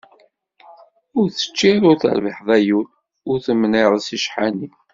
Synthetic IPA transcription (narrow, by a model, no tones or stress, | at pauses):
ʊɾθə̥t͡ʃːiɾʊɾθə̰ɾvəħðˤæjul | ʊɾθəmnɪɾˤsiʃħani